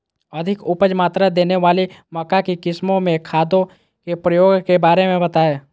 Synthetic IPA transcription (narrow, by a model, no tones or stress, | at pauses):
ɐd̪ʱɪkʊpəd͡ʒmaːt̪ɾad̪eːneʋaːlimɐkakikɪsmõmẽkʰaːd̪õ | kepɾəjoːɡkebaːɾemẽbɐt̪aːeː